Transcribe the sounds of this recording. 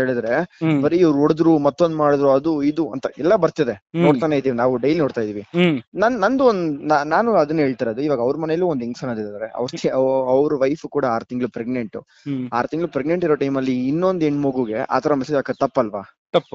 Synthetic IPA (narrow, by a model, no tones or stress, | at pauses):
eːɭid̪ɾe̞bɐɾiɐʋɾuoɽd̪ɾumɐt̪ːo̞nd̪maːɽd̪ɾuɐd̪uid̪uɐ̰nt̪ɐɛlːɐbɐɾt̪id̪e̞noːɽt̪aːnejd̪iːʋinaːʋuɖɐjlinoːɽt̪aːjd̪iːʋinɐnnɐnd̪uond̪unanaːnuɐd̪ɐnːuɦeːɭt̪aːɾɐd̪uiːʋaːɡɐʋɾmɐnɛjɐluːond̪eŋɡsɐnːɐd̪id̪ad̪ɾeɐ̰ʋɾt̪iɐʋɾuʋɐjfukuːɽɐaːɾt̪iŋɡɭupɾeɡneɳʈu | aːɾt̪iŋɡɭlupɾeɡne̞ɳʈiɾo̞ːʈɐjmɐlːiːnːo̞nd̪eɳːmoɡuːɡe̞ʔa̰ːt̪ʰɐɾɐmesidaːkɐt̪ɐpːɐlʋaːt̪ɐpː